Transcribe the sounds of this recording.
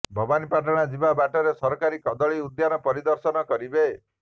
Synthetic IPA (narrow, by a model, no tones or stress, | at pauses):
bʱɔbanipaʈɔɽ̃ad͡ʒibabaʈɔɾesɔɾɔkaɾikɔd̪ɔɭiud̪janɔpɔɾid̪ɔɾsɔnɔkɔɾibe